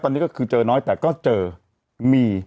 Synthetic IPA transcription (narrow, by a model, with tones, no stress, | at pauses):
tɔː˧nːi˦˥kɔː˥˩kʰɯː˧t͡ɕɤː˧nɔː˦˥jt̪ɛː˨˩kɔː˥˩t͡ɕɤː˧ | miː˧